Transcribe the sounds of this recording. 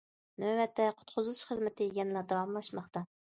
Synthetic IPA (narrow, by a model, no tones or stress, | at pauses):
nøwɛt̪ʰːɛqʰʊ̥t̪qʰʊzɨlˠɨʃχəzmɛt̪ʰːɪjiɡʲɛnlæd̪ɑwɑmlˠɑʃmɑχt̪ɑ